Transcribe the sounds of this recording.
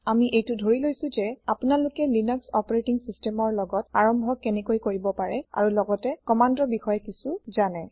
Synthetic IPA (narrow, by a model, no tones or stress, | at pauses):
amiʔejtudʱoɹilojsʊ̃zɛapʊnalʊkɛlinɔksɔpɔɹetiŋsistɛmɔɹlɔɡɔtaɹɔmbʱɔkɛnɛkojkoɹibɔpaɹɛa̰ɹulɔɡɔtɛkɔmandɔbixɔjɛkisuzanɛ